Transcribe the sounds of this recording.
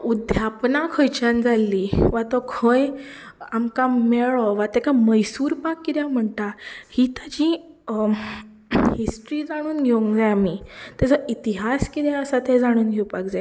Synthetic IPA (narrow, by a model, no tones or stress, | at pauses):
ud̪ʱjapnakʰɔjt͡ɕãnd͡zʱalːiʋat̪ɔkʰõj | amkameɭɔʋat̪ɛkaməjsuːɾpakːit̪jãm̤ət̪ahit̪ad͡ʑĩ | hisʈɾid͡zaɽ̃uːnɡʱeũŋkd͡zajamit̪jat͡səʔit̪iɦaskit̪jɛəsat̪ed͡zaɽ̃uːnɡʱewpakd͡za